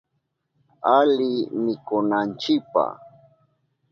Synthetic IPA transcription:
alɪmɪkʊnant͡ʃɪk̚pa̰

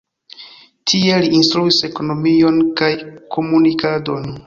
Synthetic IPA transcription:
tʰie̞liinstɾuise̞ko̞no̞mio̞nkajkʰo̞munikado̞n

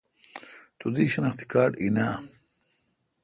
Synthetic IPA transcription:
t̪ud̪iɕɐnɐχt̪ʰi̥kaːɖḭna

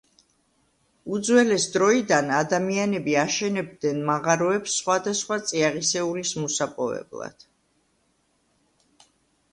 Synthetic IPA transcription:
ud̪zwɛlɛsd̪ɾɔid̪anad̪amianɛbiaʃɛnɛbd̪nɛnmaʁaɾɔɛpsːχwad̪asχwat̪sʼiaʁisɛulismɔsapʼɔvɛ̰blˠa̰d̪̥

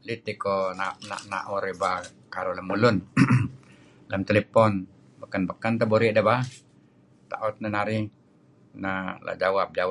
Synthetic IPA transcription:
lit̪ikonana̰ʔna̰ʔoɾiba | kaɾoləmulʊn | ləmt̪elepɔn | bəkanbəkant̪aboɾiʔdaba | t̪a̰ʔɔt̪̚nənaɾi | nala̰d͡ʒawap̚d͡ʒaw

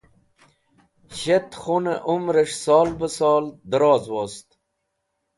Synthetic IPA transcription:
ɕet̪χuneʔumɾəʂsɑːlbəsɑːld̪əɾɑːzwoːst̪

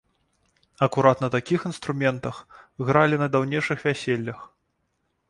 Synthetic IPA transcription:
ɐkuɾat̪nɐt̪akʲixinst̪ɾumʲɛnt̪ɐxɣɾalʲinɐd̪awnʲejʂɨxvʲæsʲelʲːɐx

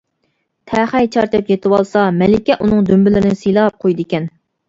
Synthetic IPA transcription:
t̪ʰɛχɛjt͡ʃʰɑɾt͡ʃʰɛpjet̪ʰɨwɑlˠsɑmɛlɪkʲɛʔunɨŋd̪ymbɪlɪɾɪnɪsijlˠɑːp̚qʰojd̪ɪkʲɛn

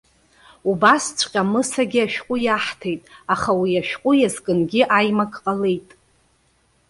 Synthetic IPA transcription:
ubast͡sʷʰʼqʲʼamɨsaɡʲiaʃᶣqʷʼʊjaħtʰejtʼaχawiaʃᶣqʼʊjazkʼɨnɡʲɪʔajmakʼqʼalejtʼ

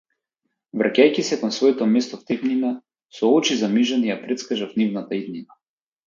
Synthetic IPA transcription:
vɾʔacʲajcʲisɛkɔnsvɔɛt̪ɔmɛst̪ɔft̪ɛpnina | sɔɔt͡ʃizamiʒanijapɾɛt̪skaʒafnivnat̪aid̪nina

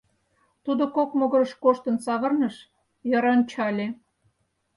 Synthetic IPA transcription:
t̪ud̪okokmoɣɤ̆ɾəʃkoʃt̪ə̆nsɑβə̆rnəʃ | jəɾɑnt͡ɕɑlʲe

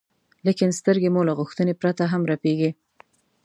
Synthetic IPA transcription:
likɪnst̪əɾɡemolaɣʊxt̪ənepɾat̪aɦamɾapeɡi

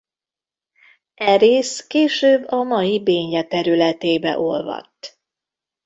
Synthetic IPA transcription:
ɛɾeːskeːʃøːbːɒmɒjibeːɲjɛt̪ɛɾylɛt̪eːbɛ̰ʔo̞lvɒ̰t̪ː

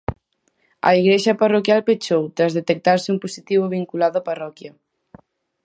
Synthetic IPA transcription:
ɐ̰iɣɾeʃɐparokjalpet͡ʃowt̪ɾazðet̪ek̚t̪aɾsɪumposit̪iβoβ̞iŋkulaðʊaparɔkjɐ

